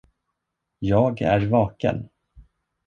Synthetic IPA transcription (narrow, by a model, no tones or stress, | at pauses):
jɑːɡæ̰ɾvɑːkə̰n